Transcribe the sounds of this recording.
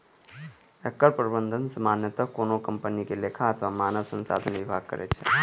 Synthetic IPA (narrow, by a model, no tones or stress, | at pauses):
ɛkːəɾpɾəbənd̪ʱənsəmanjət̪əkːonokəmpənikelekʰaət̪ʰəʋamanəʋsə̃nsa̰d̪ʱənʋibʱaɡ̚kə̰ɾʔḛt͡ʃʰḛ